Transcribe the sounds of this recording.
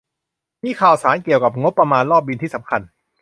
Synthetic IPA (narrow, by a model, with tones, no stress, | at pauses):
miː˧kʰaː˨˩wsaː˩˦nki˨˩əwka˨˩p̚ŋo˦˥pːɾa˧maː˧nlɔː˥˩p̚bi˧t̪iː˥˩sa˩˦mkʰa˧n